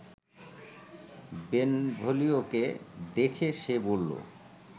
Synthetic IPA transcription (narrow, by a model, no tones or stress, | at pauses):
benbʱolioked̪ekʰeʃebolːo̰